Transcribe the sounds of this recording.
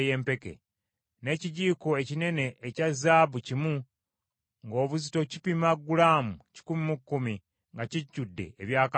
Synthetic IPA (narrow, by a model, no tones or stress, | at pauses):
je̞ːmpe̞ke̞̰ | ne̞ːciɟiːkoe̞cine̞ne̞ʔːcazaːβucimu | ŋɡo̞ːβuzito̞cipimaɡːulaːmuci̥kumimukːumi | ŋɡaciɟːudːe̞̰ːβjaːka